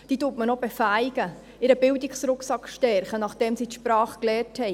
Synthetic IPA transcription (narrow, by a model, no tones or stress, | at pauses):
d̥iːtuːtmənobɛfæɪɡ̥ə | ɪɾəbɪldɪksɾʊksɑkʃtɛɾχənɑχd̥ɛmsiːtʃpɾɑːχklɛːrthɛj